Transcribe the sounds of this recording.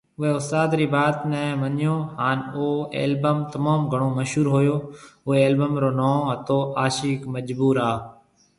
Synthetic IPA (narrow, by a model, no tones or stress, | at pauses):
ʊɦeːʊst̪aːd̪ɾiːbaːt̪nɛ̃ːmənɪjõːhaːnoːḛːlbəmt̪əmaːmɡʱəɳ̃oːməʃɦuːɾɦoːjoːʊɦeːeːlbəmɾoːnãːɦət̪oːʔaːʃiːkməd͡ʒbuːɾaː